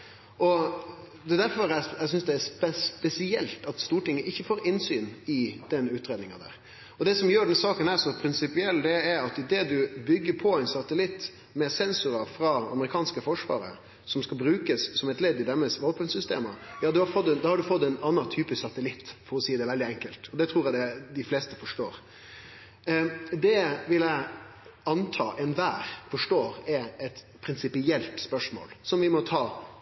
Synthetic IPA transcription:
ʔɔ | d̪ɛd̪æɾfɔɾæɛs̬ʏnsd̪ɛæspɛspɛsɪɛ̰lt̪ɑt̪st̪uːʈɪŋːəʔɪçːəfoːɾɪnsyːnɪd̪̥ɛnʉːt̪ɾeːd̪nɪŋɑd̪æ̰ːɾ | ɔd̪ɛsɔmjøːɖɛnsɑːkənæɾsɔpʰɾɪnsɪpɪɛlːd̪ɛɛɾɑt̪ɪd̪eːd̪ʉbʏɡːəɾpʰɔæɪnsɑt̪əlɪt̪ː | mɛsɛnsʊɾɑfɾɑɑ̰məɾɪkʰɑːnskəfɔʂʋɑ̰ːɾə̰ | sɔmskɑlbɾʉːkəssɔmɛt̪lɛːd̪ɪd̪ɛmːəsʋoːpənsʏst̪ḛːməjɑːd̪ʉhɑɾfɔt̪ːɛnd̪ɑːhɑɖʉfɔt̪ːæɪnɑnːɑt̪ʰyːpəsɑt̪əlɪt̪ːfɔɾɔsiːəd̪ɛʋɛld̪ɪɛŋkəlt̪ɔd̪ɛt̪ʰɾuːɾjæd̪ɛd̪ɪfleːst̪əfɔʂʈoːɾ | d̪ɛʋɪlæɪɑnt̪ʰɑ̰ːʔɛnʋæːɾfɔʂʈoːɾɛɛt̪ | pʰɾɪnsɪpɪɛlt̪spœʂmo̰ːlsɔmʋɪmɔt̪ʰɑː

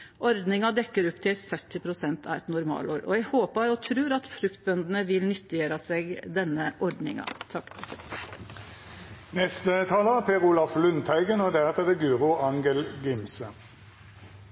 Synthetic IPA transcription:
ʔɔɾd̪nɪŋɑd̪ɛkːəɾʊpːt̪ʰɪlt̪sœt̪ːɪpʰɾʊsɛnt̪ʰɑ̰ʋɛt̪nʊɾmɑ̰ːloːɾɔ̰jɛɡhoːpəɾɔt̪ʰɾʉːɾɑt̪fɾʉkt̪̚bœnd̪n̩əʋɪlnʏt̪ːɪeɾɑseːɡd̪ɛnːəʔɔɾd̪nɪ̰ŋɑ̰t̪ʰɑkːpʰs | nɛst̪ət̪ʰɑːləpʰeːʁulɑflʉnt̪ʰæɪɡənod̪æːʁt̪ʰɛd̪ɛɡʉːʁʊɑŋɡəlɡɪmsə

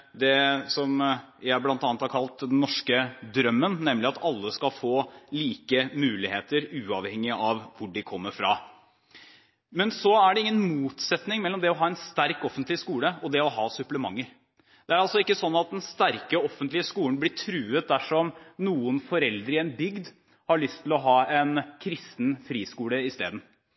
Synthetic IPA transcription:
d̪ɛsɔmjæɪblɑnt̪ɑːnət̪hæɾkʰɑlt̪d̪ɛnːɔʂkəd̪ɾœmːənnɛmːlɪɑt̪ʰɑlːəskɑlfoːliːkəmʉːlɪheːt̪əɾʉːɑʋhɛŋːɪɑʋʋʊɖɪkʰɔmːəɾfɾɑ̰ | mɛnsɔæɖɛɪŋːənmuːt̪sɛt̪nɪŋmɛlːɔmd̪ɛɔɦɑːɛnst̪æɾkɔfːənt̪lɪskuːləɔd̪ɛɔɦɑːsʉpləmɑŋːəɾ | d̪̥ɛæɾɑlsɔɪkːəsɔnːɑt̪̚d̪ɛnst̪æɾkəɔfənt̪lɪəskuːən̩blɪʈʰɾʉːət̪̚d̪æʂɔmnuːənfɔɾɛld̪ɾəɛnbʏɡd̪ | hɑɭʏst̪ʰːɪlɔɦɑːɛnkʰɾɪst̪nfɾiːskuːləɪst̪ḛːd̪n̩

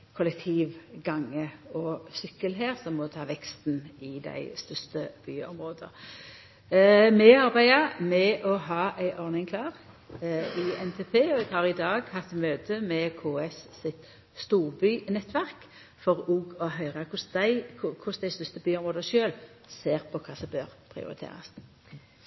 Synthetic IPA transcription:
kʰʊlɛk̚t̪ʰiːʋɡɑŋːəɔsʏkːəlɦeːʁsɔmːɔt̪ʰɑːʋɛkst̪nɪd̪æ̰ɪst̪ʏst̪əb̥y̰ːɔ̰mʁoːd̪ə̰ | mɛɑɾbæɪɑmɛʔɔɦɑːʔæɪʔɔʁnɪŋkʰlɑːʁ | ɪɛnt̪ʰeːpʰeːɔɛɡhɑʁɪd̪ɑːɡhɑft̪møːt̪ʰəmɛkʰoːɛsːɪt̪ | st̪uːʁbyːnɛt̪ːʋæʁk | fɔʁuːɡɔɦœʏʁɑkʰʊsd̪æɪʊkʰʊsd̪æɪst̪ʏst̪əbyːɔmʁoːd̪əʃøːl | seːʁpʰɔkʰɑːsɔbøːɾpʰʁɪ̰ʊ̰ɾɪ̰t̪ʰḛːʁɑ̰s

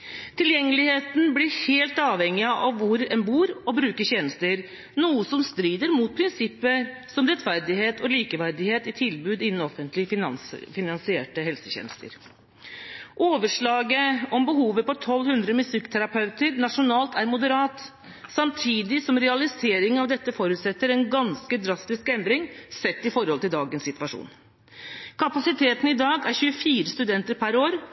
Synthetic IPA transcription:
t̪ʰɪljɛŋːəlɪheːt̪n̩blɪɾheːlt̪ɑːʋhɛŋːɪɑʔɑʋːʊɾɛnbuːɾɔbɾʉːkəɕɛːnəst̪əɾ | nuːəsɔmst̪ɾiːd̪əɾmuːt̪̚pʰɾɪnsɪpːəsɔmɾɛt̪fæɾd̪ɪɦeːt̪ʰɔliːkəʋæɾd̪ɪheːt̪ɪt̪ʰɪlbʉːd̪ɪnːn̩ɔfənt̪lɪəfɑ̰nfɪnɑnsɪeːʈəɦɛlsəçɛ̰nəst̪ə̰ɾ | ʔoːʋəʂɭɑːɡəɔmbəɦuːʋəpɔt̪ʰɔlːhʉnd̪ɾəmʉsɪkːt̪ʰæɾɑpʰɑʉt̪əɾnɑʂʊnɑːlt̪æɾmʊd̪əɾɑːt̪ | sɑmt̪ʰiːd̪ɪsɔmɾɛɑlɪseːɾɪŋɑʋd̪ɛt̪ːəfɔɾʉːt̪sɛt̪ːəɾɛnɡɑnskəd̪ɾɑst̪ɪskɛnd̪ɾɪŋsɛt̪ːɪfɔɾhɔlt̪ɪld̪ɑːɡənsɪt̪ʋɑʂṵːn | kʰɑpɑsɪt̪ʰeːt̪n̩ɪd̪ɑːɡæɾçʉːəfiːɾəst̪ʉd̪ɛnt̪əɾpʰæɾoːɾ

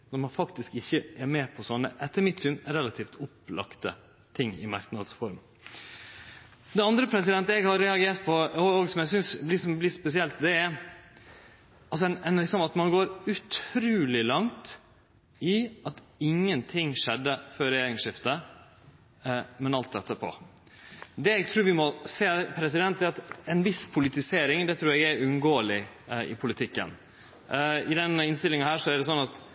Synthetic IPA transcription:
nɔɾmɑnfɑkt̪ɪskɪçːəʔɛɾmɛːpʰɔsɔnːə̰ʔɛt̪ʰːəɾmɪt̪sʏnɾɛlɑt̪ʰiːft̪ʊplɑ̰kt̪ə̰ | t̪ʰɪŋːɪ̰mɑɾknɑd̪sfɔɾm | d̪ɛɑnd̪ɾəpʰɾɛs̬ɪd̪ɛnt̪ɛɡhɑɾːɛɑɡeːʈ̪̚pʰɔɔoːɡsɔmjæsʏnsblɪsɔmblɪːspɛsɪɛlt̪d̪ɛæɾ | ɑls̬ɔɛnɛnlɪksɔmɑt̪mɑnɡoːɾʉt̪ʰɾʉːlɪlɑŋt̪ | ɪʔɑt̪ɪŋːənt̪ʰɪŋːʂɛd̪ːəfœɾɛjeːɾɪŋʂɪft̪ə | mɛnɑlt̪̚d̪ɛt̪ːəpʰɔ̰ | d̪ɛɛɡt̪ʰɾʉːɾʋɪmɔseːpʰɾɛsɪd̪ɛn̚d̪ɛɑt̪ɛnʋɪspʰʊlɪt̪ɪseːɾɪŋd̪ɛt̪ʰɾʉːɾɛɡɛɾʉnɡoːəlɪ | ɪ̰pʰʊlɪt̪ʰɪkːə̰n | ɪd̪ɛnɪnst̪ɪlɪŋɑhæːʂɔæɾɖɛsɔnːɑt̪

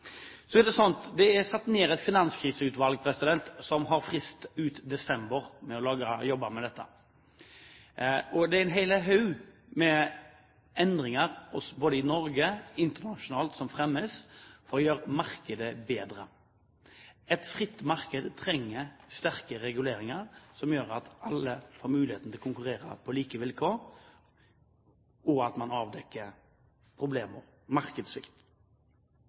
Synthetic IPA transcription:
sɔɛd̪ɛsɔnt̪d̪ɛæʁsɑt̪ːneːɾɛt̪fɪnɑnskʰɾiːsəʉːt̪ʋɑlɡ̚pʰɾɛsɪd̪ɛnt̪sɔmɦɑɾfʁɪst̪ʉːt̪d̪ɛsɛmbəɾmɛɔlɑɡəjɔbːɑmɛd̪ɛt̪ːə̰ | ɔd̪ɛæɪnɦɛɪləɦɑʉmɛ | ɛnd̪ʁɪŋɑʁɔsboːd̪əɪnɔɾɡəɪnt̪ənɑʃʊnɑːlt̪sɔmfɾɛmːəsfɔɾɔjøːɾmɑʁkəd̪əbeːd̪ʁə | ɛt̪fʁɪt̪ːmɑʁkəd̪t̪ʰɾɛŋːəst̪æʁkəɾɛɡʉleːɾɪŋɑɾsɔmjøːɾɑt̪ɑlːəfoːɾmʉːlɪheːt̪n̩t̪ʰɪlkʊŋkʉʁeːɾə̰pʰɔliːkəʋɪlkʰoːɾ | ɔɑt̪mɑnɑːʋd̪ɛkːəɾ | pʰʁʊbleːmə̰ɾ | mɑɾkəd̪sʋɪ̰kt̪

